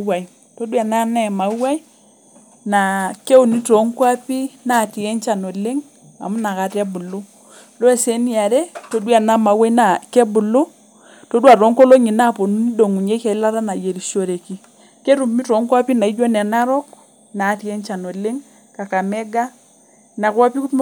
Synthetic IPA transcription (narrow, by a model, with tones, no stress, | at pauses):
wa˨i˨ | to˦dwa˨na˦nɛ˦˨ma˨wwa˦i˦ | na˨ke˦o˨ni˦tɔ˨˦ŋkwa˦pi˦na˦˨ti˨ɛ˦ɲt͡ʃa˨nɔ˨le˦ŋ | a̰˨mu˦na˨ka˨ta˦bu˨lo˦ | lɔ˦ɛ˦sɛ˨ni˦a˨ɾɛ˦to˨dwa˨na˦ma˨wa˦i˦na˨kɛ˦bu˨lo˦ | to˦dwa˨ɾɔ˨˦ŋko˦lo˦ɲi˨na˦po˨nu˦ni˦do˨ŋu˨ɲe˦ka˨i˦la˦ɾa˦na˨je˨ɾi˨ʃo˨ɾe˨ki˨ | ke˦ɾu˨mmi˦tɔ˨˦ŋkwa˦pi˦na˨i˦d͡ʒa˦nɛ˨na˦ɾɔ˦k | na˨ti˨ɛ˦ɲt͡ʃa˨nɔ˨le˦ŋ | ka˨ka˨mɛ˦ɡa˦ | na˨kwa˦pi˦ku˦